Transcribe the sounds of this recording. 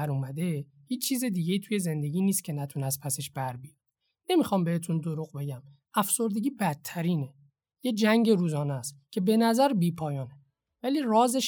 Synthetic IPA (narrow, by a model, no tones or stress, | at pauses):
æɾuːmæd̪e̞ | hiːt͡ʃːt͡ʃʰiːzed̪iːɟe̞iːt̪ʰuje̞ze̞nd̪e̞ɟʲiːniːst̪̚cʰe̞næt̪ʰunæst̪pʰæseʃb̥æɾbij | ne̞mixɒːmbe̞he̞t̪ʰund̪oɾuɣbe̞ɟæm | æfso̞ɾd̪e̞ɟʲiːbæt̪ʰːæɾiːne | jed͡ʒæŋɟeɾuːzɒːnæscʰe̞be̞næzæɾbiːpʰɒːjɒːne | væliːrɒːzeʃ